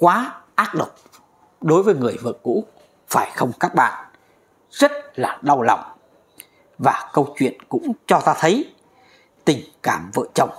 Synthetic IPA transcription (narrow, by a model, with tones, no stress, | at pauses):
kwaː˨˦ʔaː˦˥t̚ɗə˨˩wk͡p̚ | ɗo˨˦jvəː˨˦jŋɨ˨˩əjvə̰˧˨əŋṵ˧˥ | faː˧˩jxə˧wŋ͡mkaː˦˥k̚ɓa̰ː˧˨n | zə˦˥t̚laː˨˩ɗa˧wla̰˨˩wŋ͡m | vaː˨˩kə˧wŋ͡mt͡ɕwḭ˧˨ənkʊ̰˧˥ŋ͡mt͡ɕɔ˧t̪aː˧t̪ʰə˨˦j | t̪ï˨˩ŋ̟kaː˧˩mvə̰ː˧˨t͡ɕə˧˩wŋ͡m